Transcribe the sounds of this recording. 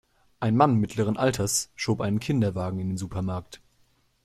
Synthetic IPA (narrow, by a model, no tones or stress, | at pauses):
ʔaɪnmanmɪtʰləʁ̞ənʔaltʰɐsʃoːpʔaɪnənkʰɪndɐvaːɡŋ̩ɪndeːnzuːpʰɐmaɐkt